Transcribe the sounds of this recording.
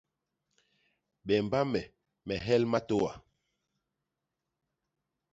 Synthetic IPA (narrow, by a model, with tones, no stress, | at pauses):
ɓɛ˨mba˦mɛ˨ | mɛ˨ɦɛ˦lma˦to˦wa̰˨